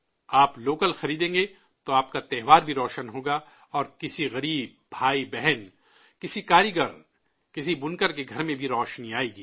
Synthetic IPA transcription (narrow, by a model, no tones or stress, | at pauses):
aːploːkəlxɐɾiːd̪ẽːŋɡe | t̪oaːp̚kat̪ɛɦʋaːɾbʱiɾɔːʃənɦoːɡaː | ɔːɾkɪsiɣɐɾiːb̚ːʱaːibɛɦɛn | kɪsikaːɾiɡəɾ | kɪsibʊnkəɾk̬eɡʱɐɾmẽbʱiɾɔːʃniaːeːɡiː